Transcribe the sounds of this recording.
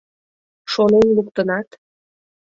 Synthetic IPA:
ʃonenlukt̪ənɑt̪

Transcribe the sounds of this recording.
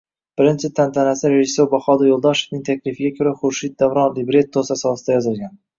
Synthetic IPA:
b̥ɪɾɪnt͡ʃʰɪt̪ʰːant̪ʰanasɪɾeʒɪsːoɾbaχɒd̪ajolˠd̪ɒʃe̥fnɪŋt̪ʰakʲlɪfɪɡʲakʲʰɵɾaχʊɾʃit̪̚d̪avɾɒnlɪbɾe̞t̪̚d̪osasɒsɪd̪ajɒzɪlˠɡʲan

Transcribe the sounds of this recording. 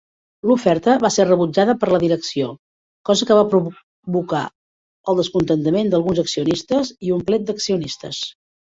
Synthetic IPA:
lufɛɾt̪əβaserəβud͡ʒaðəpəɾləðiɾəksio | kɔzəkəβapɾu | βuka̰ | əlˠd̪əskunt̪ənt̪əmend̪əlˠɣunzəksiunist̪əziumplɛt̪̚d̪əksiunist̪ə̰s

